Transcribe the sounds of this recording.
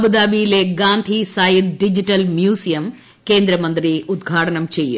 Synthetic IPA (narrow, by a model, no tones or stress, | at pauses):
ɐbud̪aːbijleːɡaːnt̪ʰisaːjit̪ɖid͡ʒiʈɐlmjuːsijɐm | keːnd̪ɾɐmɐnt̪ɾiud̪ɡʱaːʈɐnɐmt͡ʃejṵ